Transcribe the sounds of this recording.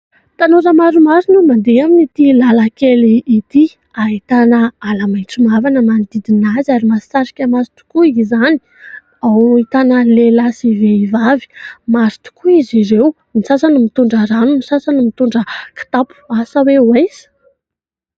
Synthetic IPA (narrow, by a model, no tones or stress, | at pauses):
t̪anoɾəmaɾumaɾinumand̪eaminit̪ilalakeliːt̪i | ait̪anəalamajnt͡simavanəmand̪id̪inazaɾimasaɾi̥kʲəmaɾit̪u̥kuizani̥ | awit̪anəlelasiveivavi̥maɾi̥t̪u̥kuiziɾew | nisasanimit̪uɳɖ͡ʐəɾanunisasanimit̪uɳɖ͡ʐəki̥t̪apu̥asawewajz̥ə̥